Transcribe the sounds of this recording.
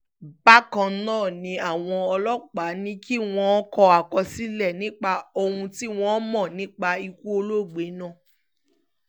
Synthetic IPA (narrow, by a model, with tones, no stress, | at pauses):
ba˦kã˧nãː˦˨nĩ˨˧a˦˨w̃ɔ̃˧ɔ˧lɔ˦k͡pa˨˦nĩ˦ki˦w̃ɔ̃˧˦kɔ˧a˨kɔ˧si˦lɛ˦˨nĩ˦k͡pa˧o˧hũ˧ti˦w̃ɔ̃˧˦mɔ̃˦˨nĩ˦k͡pa˧i˧ku˦o˧lo˦˨ɡ͡be˨˦nã˦˨